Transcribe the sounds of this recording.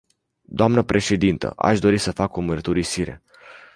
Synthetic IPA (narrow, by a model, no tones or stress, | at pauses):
d̪̥oamnəpɾʔe̞ʃe̞d̪int̪ə̰ʔa̰ʃd̪o̞ɾisəfakumərt̪uɾisiɾe̞̰